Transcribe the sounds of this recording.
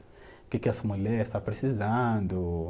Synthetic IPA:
kekɛsamulɛɾst̪apɾesizɐ̃nd̪ʊ

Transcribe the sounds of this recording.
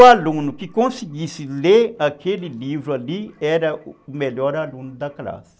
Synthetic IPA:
alũnʊkɪkõsiɡisɪleakelilivɾualiɛɾɐumeʎɔɾalũnʊd̪ɐkla̰si̥

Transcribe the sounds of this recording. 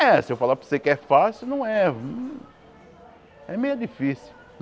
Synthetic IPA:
ɛsɪewfalaposekɪɛfasjuʊnɐ̃w̃ɛ | ɛmejʊd̪ifisi

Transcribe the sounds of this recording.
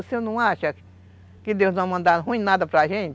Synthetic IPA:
sĩnũãʃa | kid̪euãmãnd̪anɦũĩnãd̪apɾaɦen

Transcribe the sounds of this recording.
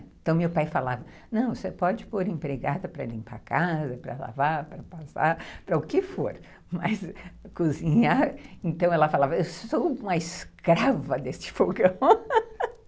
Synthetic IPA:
ẽt̪ɐ̃w̃mewpajfalavɐ | nɐ̃w̃sepɔd͡ʒɪpoɾẽpɾeɡad̪ɐpɾɐlĩmpa̰kazɐpɾɐ̰la̰vaɾpɾɐpasa̰ɾpɾɐʊkɪfoɾ | mɐskuzĩɲaɾẽt̪ɐ̃w̃ɛlɐfalavɐewssowũmɐɪskɾavɐd̪est͡ʃɪ̥foɡɐ̃w̃

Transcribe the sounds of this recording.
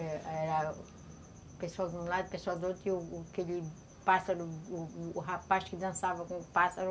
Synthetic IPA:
ɛɛɾɐ | pesuawd̪ũlad̪upeswawd̪ot̪iuːkeʎi | pasɐɾuː | ɦapaʃkɪd̪ɐ̃savɐkõpasɐɾ

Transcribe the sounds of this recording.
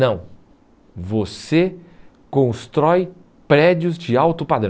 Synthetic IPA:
nɐ̃w̃ | vose | kõst̪ɾɔj | pɾɛd͡ʒiʊzd͡ʒɪawt̪ʊpad̪ɾɐ̃

